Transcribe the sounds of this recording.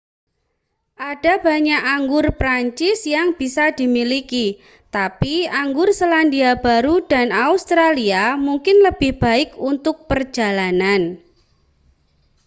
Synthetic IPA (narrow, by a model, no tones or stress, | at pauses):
ʔad̥ab̥a̤ɲakʔaŋɡʊrpɾaɲt͡ʃɪsjaŋb̥isadimiliki | t̪apiaŋɡʊrsəlandiab̥aɾudanaust̪ɾaliamuŋkɪnləb̥ɪhb̥a̤ɪkunt̪ʊk̚pərd͡ʒa̤lanan